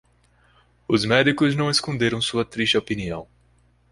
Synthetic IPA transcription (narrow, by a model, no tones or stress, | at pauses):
ʊzmɛd̪ikʊznɐ̃w̃eskõnd̪eɾɐ̃w̃suɐt̪ɾiʃt͡ʃɪopiniɐ̃w̃